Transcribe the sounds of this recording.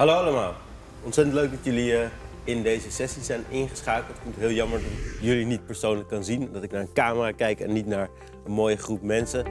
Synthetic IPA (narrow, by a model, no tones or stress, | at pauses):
ɦɑlowɑləmaːlˠ | ɔntsɛtəntløɥk̚dɑtjɵliə | ɪndejzəsɛsisɛjnɪnχəsχaːkəlˠtfuntɦɪːlˠjɑməɹdɑtjɵlinit̚pəɹsownləkːɑnzindɑtɪknaːɹənkaːməraːkɛjkɛ̰nːitnaːɹ | ənmoːjəχrup̚mɛnsə